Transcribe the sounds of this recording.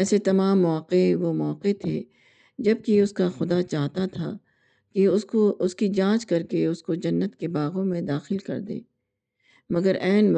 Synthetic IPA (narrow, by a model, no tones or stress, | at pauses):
ɛːset̪ɐmaːmːɔːqeʋomɔːqet̪ʰeː | d͡ʒɐb̚kiʊskaxʊd̪at͡ʃaːɦt̪at̪ʰa̰ | kiʊoʊskid͡ʒãːt͡ʃkɐɾkeʊskod͡ʒɐnːət̪kebaːɣõmẽd̪aːxɪlkɐ̰ɾd̪ḛː | mɐɡəɾɛːnʋ